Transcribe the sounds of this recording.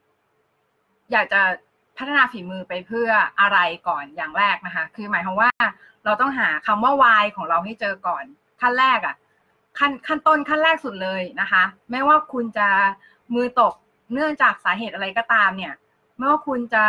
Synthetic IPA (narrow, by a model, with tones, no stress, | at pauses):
jaː˨˩k̚t͡ɕa˨˩ | pʰa˦˥t̪ʰa˧naː˧fiː˩˦mɯː˧pa˧jpʰɯ˥˩ɐʔa˧ɾa˧jkɔː˨˩njaː˨˩ŋɾɛː˥˩k̚na˦˥kʰa˦˥kʰɯː˧maː˨˦jkʰa˧waː˥˩ | ɾa˧wt̪ɔ˥˩ŋɦaː˩˦kʰa˧mːaː˥˩waː˧jkʰɔː˩˦ŋɾa˧wɦa˥˩jt͡ɕɤː˧kɔː˨˩n | kʰa˥˩nɾɛː˥˩k̚ʔa̰˨˩ | kʰa˥˩nkʰa˥˩nt̪o˥˩˨nkʰa˥nɾɛː˥˩k̚su˨˩t̪̚lɤː˧jna˦˥kʰa˦˥maː˥˩jwaː˥˩kʰu˧nt͡ɕa˨˩ | mɯː˧t̪o˨˩k̚ | nɯ˥˩əŋt͡ɕaː˨˩k̚saː˩˦ɦeː˨˩t̪̚ʔa˧ɾa˧jkɔː˥˩t̪aː˧mni˥˩ɐ | m˥˩waː˥˩kʰu˧nt͡ɕa˨˩